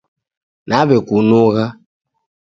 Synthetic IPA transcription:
naβɛkunuɣa

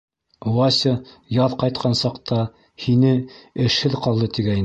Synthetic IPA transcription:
wɑsʲə | jɑðqɑjt̪̚qʰɑnsɑqt̪ɑ | hinɘɘ̆ʃhɘðqɑlˠd̪ɤt̪iɡæjn

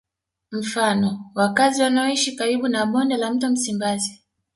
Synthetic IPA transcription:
m̩fanɔwakaziwanaɔiʃikaɾiɓunaɓɔndɛlam̩tɔm̩simbazi

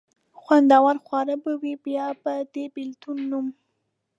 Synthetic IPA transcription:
xwand̪ɑwaɾxwɑɾəbəwibjɑbəd̪ebɪlt̪unːum

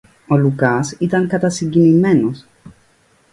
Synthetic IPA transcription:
o̞lukɐsit̪ɐŋkɐt̪ɐsiŋɟinime̞nos

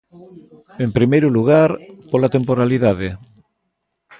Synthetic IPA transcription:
empɾimejɾuluɣaɾpolat̪empoɾaliðaðe

